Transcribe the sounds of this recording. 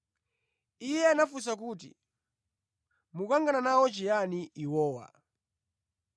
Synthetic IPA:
ijɛanafus̬ak̬uːt̬ḭ | mukaŋɡananawɔt͡ʃɛjaniiwɔːwa̰

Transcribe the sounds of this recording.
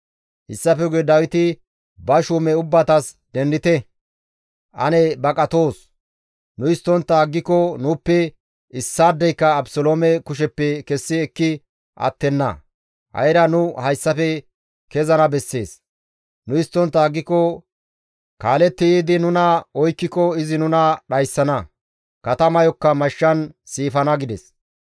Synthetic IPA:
hɪ̰sːɐfɛɡed̪ɐwɪt̪ɪ | bɐʃuːmɛʊbːɐt̪ɐs | d̪ɛnd̪ɪt̪ɛ | ʔɐ̰nɛbɐkʼɐt̪o̞ːs | nʊɪst̪ːɔnt̪ːaɡːɪkːɔnʊːpːɛ | ɪsːaːd̪ːɛjkːɐːbsɔloːmɛkʊʃ̬ɛpːɛkɛsːɪɛkːɪ | ʔɐ̰t̪ːɛnːɐ̰ | hɐ̰jɾɐnʊhɐjsːɐfɛ | kɛzɐnɐbɛsːe̞ːs | nʊɪst̪ːɔnt̪ːaːɡːɪkɔ | kaːlɛt̪ːɪjiːd̪ɪnʊnɐɔjkːɪkɔɪzɪnʊnɐɗɐjsːɐnɐ | kɐt̪ɐmɐjɔkːɐmɐʃːɐnsiːfɐnɐɡɪd̪ɛs

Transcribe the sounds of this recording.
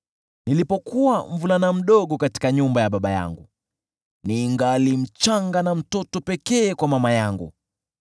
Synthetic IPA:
nilipɔkuwaɱvulanam̩ɗɔɠɔkati̥kaɲumbajaɓaɓaja̰ŋɡu | niːŋɡalim̩t͡ʃaŋɡanam̩tɔtɔpɛkɛːkwamamajaŋɡṵ

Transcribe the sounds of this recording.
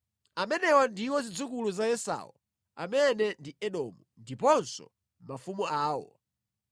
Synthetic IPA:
amɛnɛwandiwɔzid͡zukuluzaɛsa̰wɔ̰ | a̰mɛnɛndiɛɗɔmundipɔnsɔ̰ | mafumuaːwɔ̰

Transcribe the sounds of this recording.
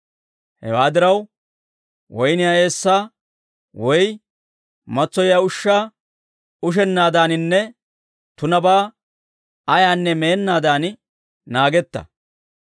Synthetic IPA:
hɛ̰waːd̪ɪɾɐw | wɔjnɪjae̞ːsːaː | wɔj | mɐt͡sːɔjaːʊʃːaː | ʊʃ̬ɛnːaːd̪aːnɪnːɛ | t̪ʊnɐbaː | ɐjaːnːɛmeːnːaːd̪aːn | naːɡɛt̪ːɐ̰

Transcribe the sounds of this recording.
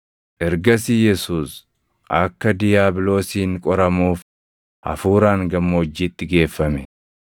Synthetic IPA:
ʔɛɾɡɐsijɛsuːs | ʔɐkːɐd̪ɪjaːblo̞ːsiːŋkʼɔɾɐmuːf | ʔɐ̰fuːɾaːŋɡɐmːɐɔd͡ʒːiːt̪ːɪɡe̞ːfːɐmɛ

